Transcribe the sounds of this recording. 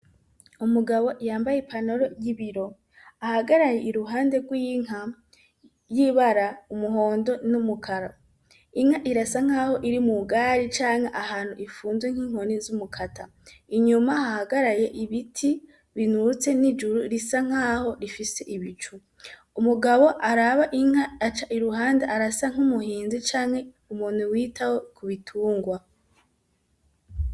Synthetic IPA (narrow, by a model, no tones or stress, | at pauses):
umuɡaβo̞jaːmbajepʰano̞ɾojiβiɾo̞ | ahaɡaɾaje̞iɾuɦaːnde̞ɡwiːŋa | jiβaɾaumuɦo̞ːndo̞numukʰaɾa | iŋ̥haʔiɾasaŋ̥aːho̞ʔiɾimuɡaːɾit͡ʃaːŋaʔahaːn̥huʔifuːnzweŋ̥hiːŋ̥ho̞nizumukʰatʰa | iɲumahahaɡaɾaje̞ʔiβitʰi | βinut͡se̞nid͡ʒuɾuɾisaŋ̥aːho̞ɾifise̞ʔiβit͡ʃu | umuɡaβo̞ʔaɾaβaʔiŋ̥aːt͡ʃaʔiɾuɦaːndeʔaɾasaŋ̥umuhiːnzit͡ʃaːŋ̥he̞ | umuːn̥huwiːtawo̞kʰuβitʰuːŋɡwa